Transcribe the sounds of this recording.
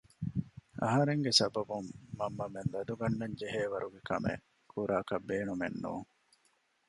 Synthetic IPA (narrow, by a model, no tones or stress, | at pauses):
ʔɐ̰ɦɐɾeŋɡesɐbɐbumːɐmːɐmend̪ɐd̪uɡɐnːɐɲd͡ʒeɦeːʋɐɾuɡekɐ̰mḛ | kʰuɾaːkɐbeːnumḛnːṵːŋ